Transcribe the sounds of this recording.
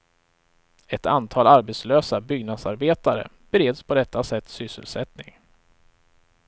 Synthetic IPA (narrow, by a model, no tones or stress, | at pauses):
ɛt̪ant̪ʰɑːlaɾbɛt̪sløːsabʏɡnad̪saɾbeːt̪aɾə̰ | b̥ɛɾeːd̪spʰɔd̪ɛt̪ːasɛt̪ːsʏsə̰lsɛt̪nɪŋ